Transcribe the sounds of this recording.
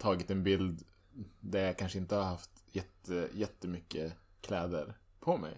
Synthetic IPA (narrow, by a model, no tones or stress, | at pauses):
t̪ʰɑːɡɪt̪ɛnbɪld̪ | d̪æɾjakʰanʂəɪnt̪əhaɾhaft̪jɛt̪ːəjɛt̪ːəmʏkːəkʰlɛːd̪əɾ | pʰɔmɛ̰j